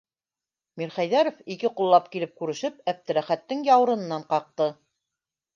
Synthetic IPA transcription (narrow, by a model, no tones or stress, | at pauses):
miɾχæjðæɾofikɘqulˠːɑpkilɘp̚kʉɾɘ̆ʃɘpæp̚t̪ɘ̆ɾæχæt̪ːɘŋjɑwɤ̆ɾɤ̆nɤ̆nːɑɴqɑq̚t̪ɤ